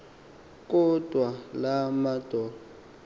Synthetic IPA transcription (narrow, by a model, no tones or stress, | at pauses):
k̬ʼɔd̥ʱwalamad̥ʱɔːl